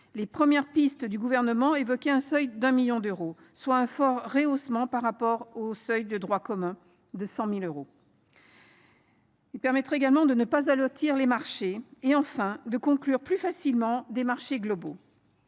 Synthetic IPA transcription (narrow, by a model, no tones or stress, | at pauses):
lepχəmjɛʁpist̪d̪yɡuvɛʁnəmɑ̃evɔkʲɛɛ̃sœjd̪ɛ̃miljɔ̃d̪øʁo | swaɛ̃fɔʁːeosmɑ̃paʁːapɔʁosœjd̪əd̪ʁwakɔmɛ̃ | d̪əsɑ̃miløʁo | ilpɛʁmɛt̪χeɡalmɑ̃d̪ənəpazalɔt̪ʰiʁlemaʁʃeeɑ̃fɛ̃d̪əkɔ̃klyʁplyfasilmɑ̃d̪emaʁʃeɡlɔbo